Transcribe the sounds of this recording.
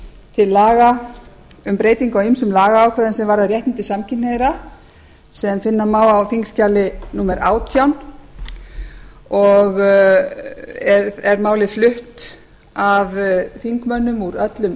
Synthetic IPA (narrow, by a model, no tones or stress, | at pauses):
t̪ʰɪlːaːɣa | ʏmpɾeːjt̪iŋkawimsʏmlaːɣaaːwkʰvœːðʏnsɛmvaɾaðrjɛht̪nɪnt̪ɪsamcʰɪnneðɾa | sɛðmfɪnːamaːwawθiŋkscalɪnumɛɾʔaːwt̪ʰjawn | ɔɣ | ɛɾɛɾmaːwlɪflʏht̪ | avθiŋkmœnːʏmuɾœt̪lʏm